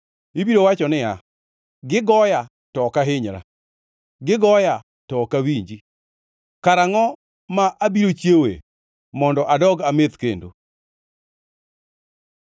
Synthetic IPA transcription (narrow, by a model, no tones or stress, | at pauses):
ibiɾowat͡ʃɔnɪja | ɡɪɡɔja | tɔkaɦɪɲɾa̰ | ɡɪɡɔja | tɔkawiɲd͡ʒi | kaɾaŋɔ | maʔabiɾot͡ʃjewḛ | mɔndɔʔadɔɡamet̪kendo̰